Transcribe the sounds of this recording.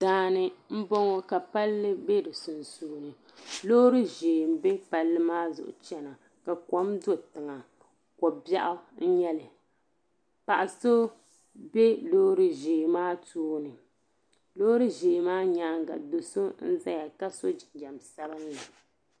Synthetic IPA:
daː˨˦nɨ˨m̩˦bɔ˦ŋo˦ka˨pa˦lːɨ˦be˦dɨ˨sʊ˨nsuː˨nɨ˨ | lo˦ɾɨ˦ʒeː˨m̩˨˦be˦pa˦lːɨ˦maː˦zʊ̰˨ʔʊ̰˨t͡ʃɛ˦na˨ | ka˨kɔ˦mdo˦tɨ˨ŋa˨ | kɔ˨bja˦ʔʊ˦n̩˦ɲɛ˦lɨ˨ | pa˨ʔa˨so˦ | be˦lo˦ɾɨ˦ʒeː˨maː˦tuː˦nɨ˨ | lo˦hɾɨ˦ʒeː˨maː˦ɲaː˦ŋɡa̰˨do˨so˦n̩˦za˦ja˨ka˦so˦d͡ʒɪ˨nd͡ʒa˨msa˦ba˦n˦la˨

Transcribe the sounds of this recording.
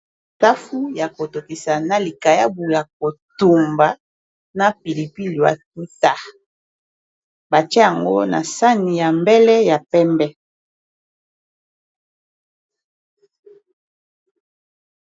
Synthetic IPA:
ta˦fu˦ja˨ko˨to˨ki˨sa˨na˨li˨ka˨ja˦bu˨ja˨ko˨tu˨mba˨ | na˦pi˨li˨pi˦lo˨a̰˨k̚u˦ta˦ | ba˨t͡ʃɛ˦ja˨ŋɡo˦na̰˨sa˦ni˨ja˨mbɛ˦lɛ˦ja˨pɛ˦mbɛ˦

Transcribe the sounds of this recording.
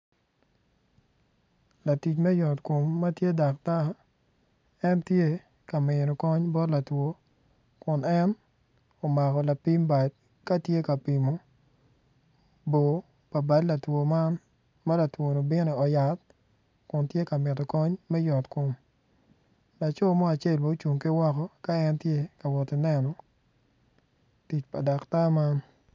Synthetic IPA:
la˨ti˨t͡ʃmɛ˦jɔ˨tko˨mːɐ˦tje˦da˨k̚ta˦ | ɛ˦ntje˦ | ka˨mɪ˨ɾo˨kɔ˦ɲbɔ˦tla˨two˨˦ | kʊ˨nɛ˦n | o˨ma˨kɔ˨la˨pi˦mba˨d̚ | ka˦tje˦ka˨pi˨mo˦ | bo˨ | pa˨ba˦dla˨two˨ma˦n | ma˦la˨two˨no˨bɪ˦nɔ˨ɔ˨ja˨t̚ | kʊ˨ntje˦ka˨mɪ˨tɔ˨kɔ˦ɲmɛ˦jɔ˨tkʊ˨˦m | la˨t͡ʃo˦˨mɔ˦a˨t͡ʃe˦˨lmo˨u˦t͡ʃu˨ŋki˦wɔ˦kɔ˦ka˦ɛ˦ntje˦ka˨wɔ˨tɪ˨nɛ˦nɔ˨ | ti˨t͡ʃpa̰˨da˨kta˦ma˦n

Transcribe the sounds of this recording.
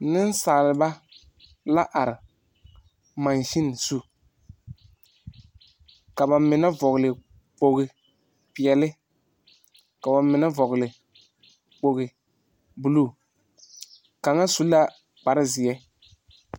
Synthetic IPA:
nɪ˦n˦saː˨lɪ˨ba˦ | la˦ʔa˨ɾɪ˨ | ma˨nʃɪ˦n˨su˦ | ka˨ba˨mɪ˨na˦vɔ˨ɣlɪ˨ | k͡po˨ɣɪ˨ | pɪ˨ɛ˨lɪ˦ | ka˨ba˨mɪ˨na˦vɔ˨ɣɪ˨lɪ˨ | k͡po˨ɣɪ˨ | bu˨lu˦ | ka˨ŋa˦su˦la˦ | k͡pa˨ɾɪ˦zɪ˨ɛ˦

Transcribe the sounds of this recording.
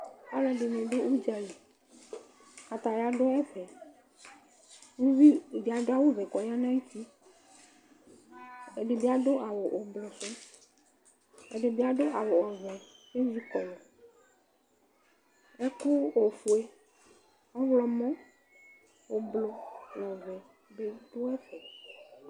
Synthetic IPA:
a̰˦lɛ˨ɖe˨nẽ˨ɖe˦ʔu˦d͡ʒa˨li˨ | a˨t̪a˨ja˨ɖɔ˦ɛ˦vɛ˨ | wu˦vi˦˨bi˨a˨ɖo˦a˦wo˦vɛ˨kɔ˨ja˦nã˦i˦t̪i˦ | e˨ɖe˨bi˦a˨ɖo˦ʔa˨wo˨ʔo˨blɔ˨se˦ | ɛ̰˨ɖe˨bi˦a˦ɖo˦a˨wo˨ɔ˨vɛ˨e˦vi˦kɔ˨lɔ˨ | ɛ˦ku˦o˨fo˨e˦ | ɔ˦vlɔ˨mɔ̃˦ | wo˨blɔ˨wɔ˨vɛ˨ | be˦ɖo˦ɛ˦ɸɛ˨

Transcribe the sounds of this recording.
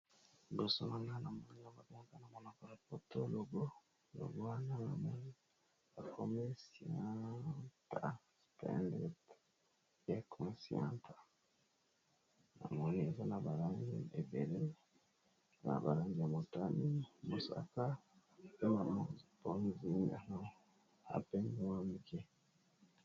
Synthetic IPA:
do˨so˦na˨na˦na˨mɔ˦ni˦a˦mba˨be˦ka˦na˨mɔ˦na˨ko˨la˨po˨to˦lo˨ɡo˦ | lo̰˨ɡo˦wa˦na˦na̰˨mɔ˦ni˦ | ba˨kʰo˦me˦si˨a˦ta˨ | spɛ̰˦ndɛ˦t | e˦kʰɔ˨˦si˨˦a˦ntʰa˨ | na˨mo˨ni˨e˨za˦na˨ba˨ɾa˦ŋɡi˦˨e˨ve˨ɾe˦˨ | za˦na̰˨ba˨ɾa˦nɡi˨a˨mo˨ta˦ni˦mo˨sa̰˨ka˦ | pe˦na˨mo˦˨zpo˦n˦zi˦na˨na˦ | a̰˨pe˦n˦wa˦mi˨ke˦

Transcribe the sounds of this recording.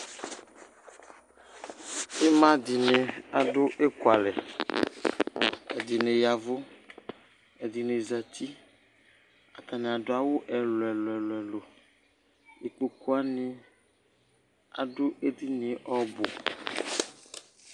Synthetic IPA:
e˦mã˦di˨ne˨a˨ɖʊ˦ʔe˦kʊ˨a˨lɛ˨ | ɛ˨d̪i˨nẽ˨ja˨vʊ˦ | ɛ˨d̪i˨ne˨za˨t̪ʰi˦ | a˨t̪a˨nẽ˨a˨dʊ˦a˦wo˦ʔɛ˨lɛ˨lɛ˨lɛ˨lo˨ | e˨k͡po˨ko˦a˦nĩ˦ | a̰˨ɖʊ˦e˦d̪i˦nĩ˨ʔɔ˦bo˨

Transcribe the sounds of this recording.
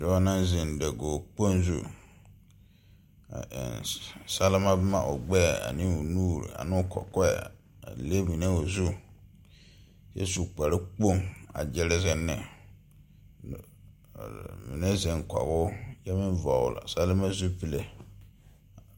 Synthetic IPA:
dɛ˨wa˦nã˦nzi˨n˨dɛ˨ɡoː˨k͡po˦n˦zṵ˦ | a̰˨ʔnsa˦la˦ma˦bma˦˨ʔo˨ɡ͡bɛ˦˨a̰˨nɪ̃˦u˨nuː˦˨ɾḭ˨a̰˨n˦˨kɔ̰˨kɔ˦ɛ̰˨ | a̰˨le˦mi˨ne˦o˨zu˦ | sḛ˦su˨k͡pa˨ɾɪ˦k͡po˦˨ŋa̰˨d͡ʒɛ˦lɪ˦zɛ˦nɪ̰˨ | mi˨ne˦zɛ˨ŋ˨kɔ̰˨ɣʊ˦ja˦mɪ˦vɔ̰˨la̰˨sa˦la˦ma˦zu˦pi˦˨le˨

